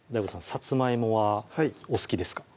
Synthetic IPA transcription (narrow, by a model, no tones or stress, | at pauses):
d̪aibosãsat͡sɨmaimo̞βaosɨ̥kʲid̪e̞sɨ̥kḁ